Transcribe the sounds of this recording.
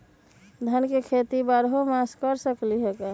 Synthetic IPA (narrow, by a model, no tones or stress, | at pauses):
d̪ʱənkekʰet̪ibaɾɦomaskəɾsəkliɦeka